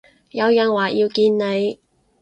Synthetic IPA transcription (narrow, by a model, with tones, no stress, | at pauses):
jɐ˨˧wjɐː˨˩nwaː˨˩jiː˧wkiː˧nne˨˧j